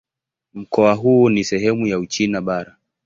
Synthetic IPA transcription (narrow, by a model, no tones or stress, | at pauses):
m̩kɔaɦuːnisɛɦɛmujaut͡ʃinaɓaɾa